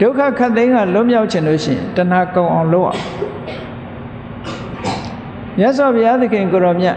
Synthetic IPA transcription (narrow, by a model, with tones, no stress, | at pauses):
d̥o˦ʊkʰä̰˦˨kʰa˦ʔt̪ẽ˦ɪ̃ŋɡa˨lʊ˦ʔmja˦ʊʔt͡ɕʰɪ̃˨nlo̰˦˨ʃɪ̰̃˦˨ɪ̰̃˨ntə˨n̥a˨kõ˨ʊ̃ʔã˨ʊ̃lo˦ʊʔã̰˨ | mja˦ʔs̬wa˨pʰəja˦d̪ə˦˨kʰɪ̃˨ŋko˨ɾɔ˨mja̰˦˨